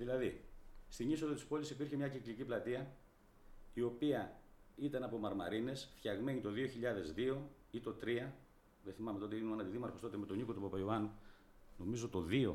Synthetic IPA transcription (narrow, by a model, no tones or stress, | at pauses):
ðilɐðist̪iɲiso̞ðot̪ispo̞lisipiɾçemɲɐcikliciplɐt̪iɐ | io̞piɐit̪ɐnɐpo̞mɐɾmɐ̰ɾine̞sfçɐɣme̞ɲit̪o̞ðio̞çiʎɐðe̞zðio̞ | it̪o̞t̪ɾiɐ | ðeθimɐmet̪o̞t̪emɐnɐt̪iðimɐɾfo̞st̪ot̪emet̪o̞ɲikot̪upɐpɐioɐnu | no̞mizo̞t̪o̞ðio̞